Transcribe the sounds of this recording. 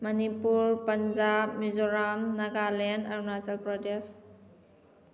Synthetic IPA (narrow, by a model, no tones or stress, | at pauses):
mɐnipuɾpɐnd͡ʒap̚mizoɾamnɐɡalenaɾnaselpɾɔdes